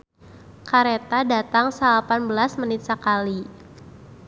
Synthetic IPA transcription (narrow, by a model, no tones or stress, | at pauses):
kaɾet̪adat̪aŋsəlapanbəlasmənit̪̚səkali